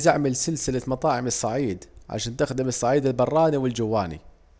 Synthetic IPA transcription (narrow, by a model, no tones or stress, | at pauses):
zaʕmɪlsɪlsɪlamɑt̪ˤɑːʕɪmɨsˤːɑʕiːd̪ʕa̰ʃaːnt̪ɪxd̪ɪmɨsˤːɑʕiːd̪ɪlbɑrˤːɑːniwɪld͡ʒɪwːaːnḭ